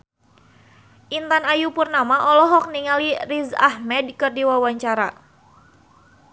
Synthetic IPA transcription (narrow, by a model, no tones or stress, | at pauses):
ʔint̪anajupurnamaʔɔlɔɦɔk̚niŋalirizahmɛd̚kɨrdiwawaɲt͡ʃaɾa